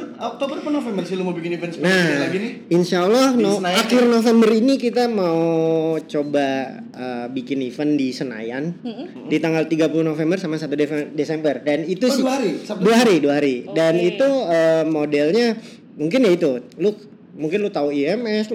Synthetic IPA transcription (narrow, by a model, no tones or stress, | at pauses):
ok̚t̪obərpənofɛmbərsilumabikɪnifənsnnaaɡiniinʃalːɔhonajakɪrnofembərinikit̪amaut͡ʃoba | əbikɪnifəndisəna̰jan | dit̪aŋɡalt̪iɡapuluhnofembərsamasat̪udefɛdesɛmbərdanit̪uaaɾisadduaɦaɾiduaɦaɾidanit̪uəmodɛlɲa | muŋkɪnjait̪ulu | muŋkɪnlut̪auiɛmɛs